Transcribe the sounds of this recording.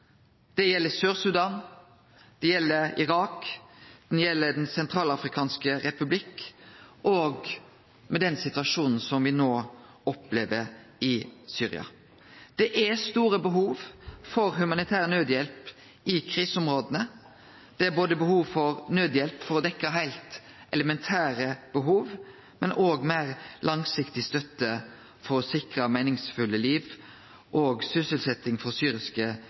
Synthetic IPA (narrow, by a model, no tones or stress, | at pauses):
d̪̥ɛjɛlːəsøːɾsʉd̪ɑːn | d̪̥ɛjɛlːəɾɪ̰ɾɑːkd̪̥ɛnjɛlːəd̪ɛnsɛnt̪ʰɾɑːlɑfɾɪkʰɑːnskəɾɛpʉblɪkʔoːɡ | mɛd̪ɛnsɪt̪ʉɑʂuːnn̩sɔmʋɪnoː | ɔpleːʋəɾɪsyːɾɪ̰ɑ̰ | d̪̥ɛʔæst̪uːɾəbəɦuːʋfɔɾhʉmɑnɪt̪ʰæːʁənøːd̪jɛlp | ʔɪkʰʁiːsʊmʁoːd̪ənə | d̪̥ɛæɾboːd̪əbəhuːʋfɔʁnøːd̪jɛlpfɔɾɔd̪ɛkːɑɦæɪlt̪ | ʔɛləmɛnt̪ʰæːɾəb̥əɦuːʋ | mɛnʔoːɡmæɪʁlʔɑŋsɪkt̪ɪst̪œt̪ːə | fɔʁsɪkʁəmæɪnɪŋsfʉlːəliːʋ | ʔoːɡsʏsəlsɛt̪ːɪŋfɔʁsyːɾɪskə